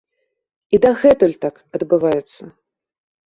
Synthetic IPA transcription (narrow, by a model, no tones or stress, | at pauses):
id̪ɐɣɛt̪ulʲt̪ak | ɐd̪bɨvajɛt̪sːɐ